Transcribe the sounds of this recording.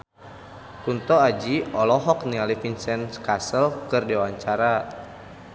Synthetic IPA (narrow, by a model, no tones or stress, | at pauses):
kunt̪ɔad͡ʒiʔɔlɔɦɔknialifinsɛnskasəlkɨrdiwaɲt͡ʃaɾa